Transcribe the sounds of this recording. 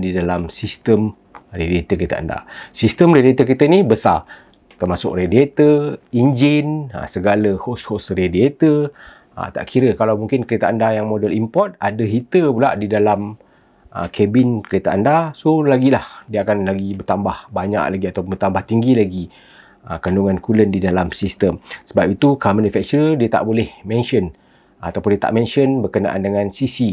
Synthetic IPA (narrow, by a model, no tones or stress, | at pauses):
didalamsist̪əm | rediet̪əket̪a̰a̰nda̰sist̪əmrediet̪əkit̪ənibəsa̰ | t̪ərmasʊ̰k̚rediet̪əind͡ʒɪn̰səɡaləhoshosrediet̪ə | ə̰t̪a̰ʔkʰiɾəkalawmuŋkɪnkəɾet̪aːndajaŋmodəlimpɔt̪̚adəɦit̪əpula̰ʔdidalam | ʔə̰kʰɛbɪnkəɾet̪aandasolaɡilahdiəakanlaɡibərt̪ambahbaɲa̰ʔlaɡiat̪awpʊmbərt̪ambaht̪iŋɡilaɡi | əkanduŋãnkuləndidalamsist̪əmsəbap̚it̪ukamãnufɛk̚t͡ʃuɾədiət̪a̰ʔbolɛhmɛ̃nʃən | at̪awpʊndiət̪a̰ʔmɛ̃nʃənbərkəna̰ʔa̰ndəŋãnsisi